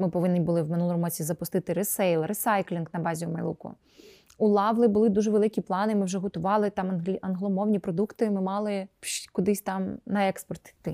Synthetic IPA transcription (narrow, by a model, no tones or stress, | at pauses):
mɪpɔʋɪnːʲibʊlˠɪwmɪnulˠɔmmɔt͡sʲizɐpʊst̪ɪt̪ɪɾesɛjlˠresɑjklʲinɡnɐbɑzʲimɐ̰jlˠṵkʊ̰ | ulˠɑʋlˠɪbʊlˠɪd̪uʒɛʋelˠɪkʲiplˠɑnɪmɪwʒɛɦɔt̪ʊʋɑlˠɪt̪ɑmʲɐnɦlˠɔmɔwnʲipɾɔd̪ukt̪ɪmɪmɑlˠɪʃkʊd̪ɪsʲt̪ɑmnɐɛkspɔrt̪t̪ɪ